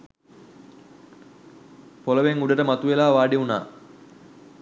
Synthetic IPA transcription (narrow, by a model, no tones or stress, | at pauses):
poləʋeŋuɖəʈəmat̪uʋelaːʋaːɖeuna̰ː